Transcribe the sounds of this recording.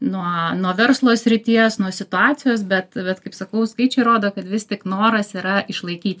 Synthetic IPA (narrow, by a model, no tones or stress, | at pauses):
nuɔnuɔʋʲɛɾslˠoːsʲɾʲɪt̪ʲiɛsnuɔsʲɪt̪ʊɑːt̪t͡s̪ʲɪjoːs̬bʲɛt̪bʲɛt̪kɐɪpsɐkɐʊskɐɪt͡ʃʲɛɪɾoːd̪oːkɐt̪ʋʲɪsʲt̪ʲɪknoːɾɐsiːɾɐɪʃlˠɐɪkʲiːt̪ʲ